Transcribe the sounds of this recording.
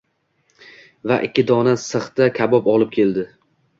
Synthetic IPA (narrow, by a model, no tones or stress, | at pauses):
vaʔɪkʲːɪd̪ɒnasɨχt̪akʲʰabɒpɒlˠɪp̚kʲʰe̞ld̪ɪ